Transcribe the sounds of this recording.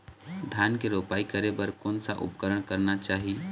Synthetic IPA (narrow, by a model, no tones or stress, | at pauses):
d̪ʱjaːnkeɾoːpaːikəɾebəɾkoːnsaʔʊ̰pkəɾəɽ̃kəɾnat͡ʃaːɦi